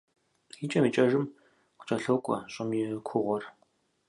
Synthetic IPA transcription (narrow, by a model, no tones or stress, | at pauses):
jiːt͡ʃʼɐmiːt͡ʃʼɐʒɨm | kʷt͡ʃʼɐɬoːkʷʼɔ̰ɕʼɪmjɪkʷʰʊʁʷɔr